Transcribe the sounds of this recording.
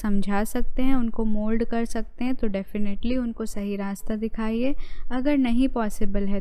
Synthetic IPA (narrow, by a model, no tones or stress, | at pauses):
sɐ̃md͡ʒʱaːsɐk̚t̪eɦɛ̃ʊnkomoːlɖkɐɾsɐk̚t̪ẽɦɛ̃t̪oɖɛːfɪneʈliʊnkosɐɦiɾaːst̪ad̪ɪkʰaːiɦɛɐɡəɾnɐɦĩpɔːsɪbəlɦɛ